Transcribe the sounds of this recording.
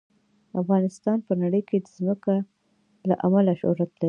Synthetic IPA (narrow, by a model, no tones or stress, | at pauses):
afɣɑnɪst̪ɑnpənaɽəjked̪əzməka | la̰ʔamalaʃʊ̰hɾat̪lai